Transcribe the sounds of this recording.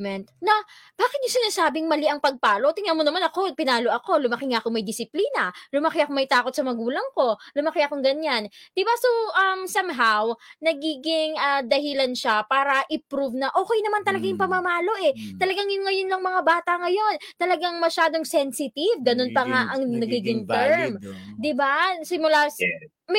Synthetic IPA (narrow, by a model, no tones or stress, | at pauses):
mɛnt̪̚nɐb̥aːkɪt̪̚ɲʊsɪnaːsaːbɪŋmɐliʔɐŋpɐɡ̚paːlo̞ʔt̪ɪŋɐnmonɐmanɐko̞pɪnaːlo̞ʔɐko̞lʊmɐkɪŋaʔɐkomɐjd̪ɪsɪpliːnɐlʊmɐkɪʔɐkomɐjt̪aːko̞t̪̚sɐmɐɡuːlɐŋko̞lʊmɐkɪʔɐkoŋɡɐɲand̪̥ɪbasoʔɐmsɐmɦawnɐɡiːɡɪŋʔɐd̪ɐhɪlɐnʃapaːɾɐʔɪpɾuvnɐʔo̞ːkɛjnɐmant̪ɐlɐɡajʊŋpɐmɐmaːlo̞ʔɛt̪ɐlɐɡaŋjʊŋːɐjonːɐŋmɐŋabaːt̪ɐŋɐjo̞nt̪ɐlɐɡaŋmɐʃaːd̪o̞ŋsɛnsɪt̪ivɡɐno̞npɐŋaʔɐŋnɐɡiːɡɪŋt̪ɛɹmd̪ɪbasɪmʊla